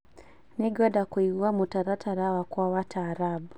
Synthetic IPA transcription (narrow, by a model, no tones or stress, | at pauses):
niɡɔɗakuiɡuamutaɾatʰaɾawakuawatʰaːɾabu